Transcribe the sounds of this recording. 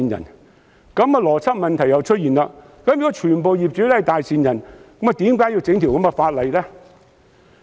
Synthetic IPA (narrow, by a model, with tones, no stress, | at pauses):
i˨njɐ̰˨˩n | kɐ˨˥ma˨˧lɔː˨˩t͡sʰɐ˥t̚mɐ˨nt̪ʰjɐ˨˧wt͡ʃʰɵ˥t̚jiː˨˩nla˧ | kɐ˨˥˦mjy˨kːɔ˥t͡ʃʰyː˨˩npo˨wjiː˨p̚t͡ʃyː˨˥t̪ʰjt̪aː˨jsiː˨njɐ˨˩nkɐ˨˥ma˨˧t̪iː˨˥mkaː˨˥ji˧wt͡sɪ˨˥ŋt̪ʰi˨wkɐ˨˥mɐ˧faː˧t̚lɐ˨jlɛː˥